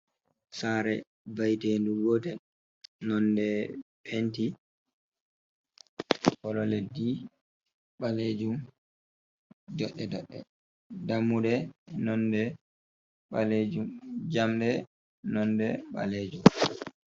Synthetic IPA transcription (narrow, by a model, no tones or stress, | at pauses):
saɾɛ | bajteːnduɡɔtɛ | nɔndɛpʰenti | kɔlɔledi | ɓaled͡ʒum | d͡ʒɔɗːɛdɔ̰ɗːɛ̰ | damːudɛnɔndɛ | ɓaled͡ʒumd͡ʒamɗɛ | nɔndɛɓa̰led͡ʒum